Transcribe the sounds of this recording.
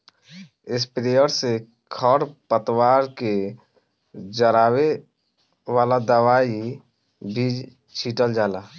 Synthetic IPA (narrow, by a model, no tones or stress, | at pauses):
ɪspɾejəɾse | kʰəɾpət̪waːɾke | d͡ʒəɾaːwe | waːlad̪əwaːi | bʱiːd͡ʒ | t͡ʃʰiːʈəld͡ʒaːlaː